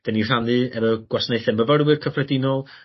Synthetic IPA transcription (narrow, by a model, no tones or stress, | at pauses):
d̥ɛnir̥anðɨɛvɔɡ̥wasneɨθɛməvəɾwɨrkʰəfrɛdɪnɔlˠ